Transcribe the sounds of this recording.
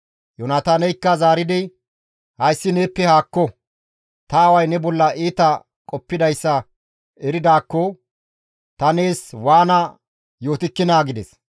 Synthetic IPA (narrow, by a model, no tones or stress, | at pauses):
jɔnat̪aːnɛjkːɐzaːɾɪd̪ɪ | hɐjsːɪneːpːɛhaːkːɔ | t̪ɐːwɐjnɛbɔlːɐʔiːt̪ɐ | kʼɔpːɪd̪ɐjsːɐ | ɛɾɪd̪aːkːɔ | t̪ɐne̞ːswaːnɐ | jo̞ːt̪ɪkːɪnaːɡɪd̪ɛs